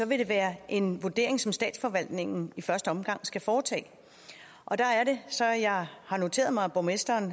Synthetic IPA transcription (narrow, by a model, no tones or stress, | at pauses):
sɒ̽ʋe̝ɾ̥e̝ʋæːɐʔe̝nʋuɐd̥e̝ɐe̝ŋsɒ̽msd̥ɛ̰ːd̥sfɒʋæl̰d̥ne̝ŋn̩ifɶɐsd̥əɒ̽mɡ̥ɑ̈ŋ̰sɡ̥æfɒːt͡sʰɛ̰ː | ʔɒ̽d̥ɑ̈æɐɾe̝sɒ̽jɑ̈ɪhɑ̈no̝t͡sʰe̝̰ːɐðˠmɑ̈ɪæb̥omesd̥ɐːn